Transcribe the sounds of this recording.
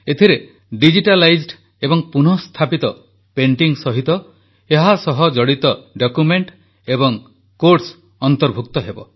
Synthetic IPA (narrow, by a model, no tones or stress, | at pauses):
et̪ʰiɾe | ɖid͡ʒiʈalajd͡ʒɖ | ebɔŋpun̤ɔst̪ʰapit̪ɔ | peɳʈiŋsɔɦit̪ɔ | eɦasɔɦɔd͡ʒɔɽit̪ɔɖokumeɳʈ | ebɔŋ | koɾʈs | ɔnt̪ɔɾbʱuk̚t̪ɔɦebɔ̰